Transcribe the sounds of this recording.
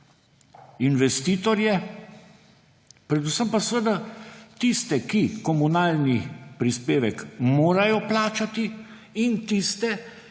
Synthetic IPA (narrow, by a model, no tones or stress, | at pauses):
inʋɛst̪iːt̪ɔɾjɛ | pɾɛd̪usəmpasʋəd̪at̪ist̪ɛkikɔmunaːlnipɾispeːʋɛkmoːɾajɔplaːt͡ʃat̪i | int̪ist̪ɛ